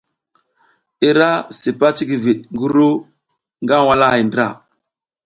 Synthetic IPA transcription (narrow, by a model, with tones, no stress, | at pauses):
i˦ɾa˦si˨pa˦t͡ʃi˦ɡi˨vi˨ɗ̚ŋɡu˦ɾu˦ | ŋɡa˦wa˦la˦a˨jndɾa̰˦˨